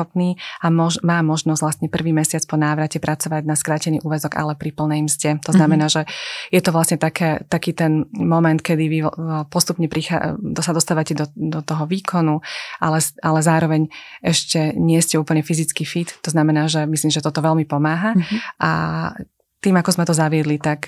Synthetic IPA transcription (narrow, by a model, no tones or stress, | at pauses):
ɔpniːamɔʒmaːmɔʒnɔz̥ʋlast̪ɲɛpr̩ʋiːmɛsɪat͡spɔnaːʋɾacɛpɾat͡sɔʋaɟnaskɾaːcɛniːʔuːʋɛzɔɡa̰lɛpɾipl̩ˠnɛjmzɟɛt̪ɔznamɛnaːʒɛjɛt̪ɔʋlasɲɛt̪akʰɛːt̪akiːt̪ɛnmɔmɛnt̪̚kɛd̪iʋipɔst̪upɲɛpɾixa̰d̪sad̪ɔst̪aːʋacɛd̪ɔd̪ɔt̪ɔɦɔʋiːkʰɔnuʔalɛʔalɛzaːɾɔʋɛɲɛʃcɛɲɪɛscɛuːpl̩ɲɛfizit͡skiːfit̪t̪ːɔznamɛnaːʒɛmisliːmʒɛt̪ɔt̪ɔʋɛlmipɔmaːɦaʔa̰ | t̪iːmakɔzmɛt̪ɔzaʋɪɛd̪lit̪ak